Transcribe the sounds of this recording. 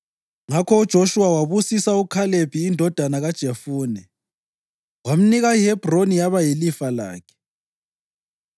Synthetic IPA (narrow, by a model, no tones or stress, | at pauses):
ŋakʰɔud̥ʒ̥ʱoʃuawaβusisaukʰaleb̥ʱiːndʱɔd̥ʱanaɣad̥ʒ̥ʱefuːnɛ | wam̩niɣajɛb̥ʱronijaβajelifala̰ːkʰɛ̥